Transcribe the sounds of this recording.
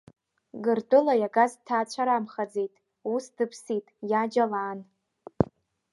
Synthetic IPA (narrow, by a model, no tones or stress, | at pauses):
ɡɨrdʼɨlajaɡaztʰaːt͡ɕʷʰaɾamχad͡zejtʼ | usdɨpʰsitʼjad͡ʒalaːn